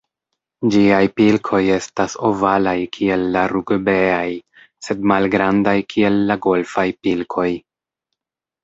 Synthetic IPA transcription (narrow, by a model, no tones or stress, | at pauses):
d͡ʒiajpilkʰo̞je̞staso̞valajkʰie̞lːaɾuɡbeaj | se̞dmalɡɾandajkʰie̞lːaɡo̞lfajpilkʰo̞j